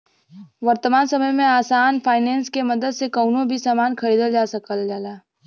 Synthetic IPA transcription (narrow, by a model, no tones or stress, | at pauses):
ʋɐɾt̪əmaːnsɐməjmẽaːsaːnfʰaːɪnɛ̃ːnskemɐd̪əd̪sekəʊnõbʱisaːmaːnkʰɐɾiːd̪əld͡ʒaːsəkəld͡ʒaːlaː